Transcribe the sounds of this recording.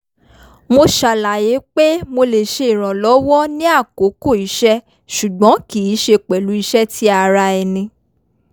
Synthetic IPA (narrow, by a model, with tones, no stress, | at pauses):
mo˧ʃa˨la˨je˨˦k͡pe˦mo˧le˨ʃe˧i˨ɾ̃ã˨lɔ˨˦wɔ˦nĩ˦a˦˨ko˨˦ko˦˨i˨˦ʃɛ˦ | ʃu˨ɡ͡bɔ̃˨˦ki˨i˨˦ʃe˧k͡pɛ˨lu˨˦i˧˦ʃɛ˦ti˦a˧ɾa˧ɛ˧˨nĩ˧